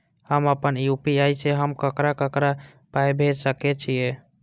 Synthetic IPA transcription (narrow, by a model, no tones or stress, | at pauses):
həməpənjupiajsʰeɦəmkəkɾakəkɾa | paebʱed͡ʒsəket͡ʃʰije